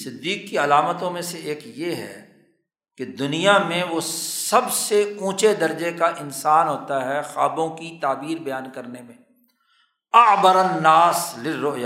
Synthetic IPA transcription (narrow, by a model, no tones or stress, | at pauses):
sɪd̪ːiːkːiɐlaːmət̪õmẽseeːkjeɦɛ̰ː | ked̪ʊnijamẽʋosɐbseũːt͡ʃed̪ɐɾd͡ʒekaʔɪnsaːnɦoːt̪aɦɛxa̰ːbõkit̪aːbiːɾbɐjaːnkɐɾnemẽː | ɐbəɾənːaːslɪrːʊʔja